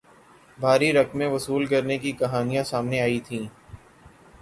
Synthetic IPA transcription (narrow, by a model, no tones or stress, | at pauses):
bʱaːɾiɾɐkmẽʋɐsuːlkɐɾnekikɐɦaːnijãsaːmneaːit̪ʰĩː